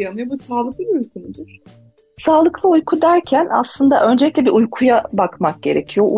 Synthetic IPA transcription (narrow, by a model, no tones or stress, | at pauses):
janɯjabusaːlˠɯklˠɯbiujkʰunud̪uɾ̥ | saːlˠɯklˠɯujkʰud̪æɾcʰæna̰slˠɯnd̪a̰ʔø̞nd͡ʒe̞lʲiclʲɛbiɾujkʰujabakmak̚ɟ̥e̞̰ɾe̞̰cʰijo̞ʔ